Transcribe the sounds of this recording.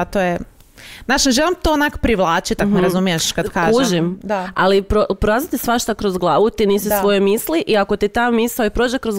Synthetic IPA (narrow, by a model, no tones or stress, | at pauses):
at̪oje | naːʃneʒelimt̪oonako̥pɾiʋlˠaːt͡ʃit̪akneɾazumijeʃkad̪kaːuʒʒimd̪aalipɾopɾoɾaːzat̪isʋaʃt̪akɾozɡlˠaːʋut̪iniːsisʋojemiːsliʔiakot̪it̪ammisaoipɾo̞ːd͡ʒekɾoz